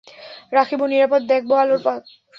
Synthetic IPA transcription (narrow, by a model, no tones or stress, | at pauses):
ɾaxʰibuniɾapod̪̚d̪ɛk̚ʰboaloɾpat̪